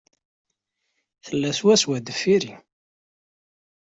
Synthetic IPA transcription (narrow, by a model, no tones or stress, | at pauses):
θəlːæswæswæd̪əfːiɾi